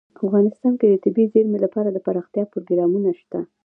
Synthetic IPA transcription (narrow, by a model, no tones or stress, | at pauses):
afɣɑnɪst̪ɑnked̪ət̪ɪbizeɾmelapɑɾad̪əpaɾɑxt̪jɑpɾoɡɾɑmunaʃt̪a